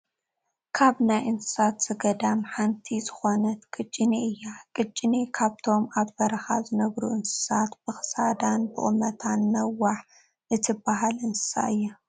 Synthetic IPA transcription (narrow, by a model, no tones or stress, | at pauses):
kʰaβnajʔɨnsɨ̥sat̪z̥ɨɡɐd̪amħant̪ʰizɨxo̞nɐt̪kʼɨt͡ʃʼːɪneɨjːakʼɨt͡ʃʼːɪnekʰaβt̪ʰo̞maβbɐɾɐxazɨnɐɡɾuʔɨnsɨ̥sat̪b̥ɨxɨ̥sad̪anbɨʔʼɨmɐt̪ʰanːɐwːaħ | ʔɨt̪ʰɨbaɦalʔɨnsɨ̥sa̰ʔɨjːa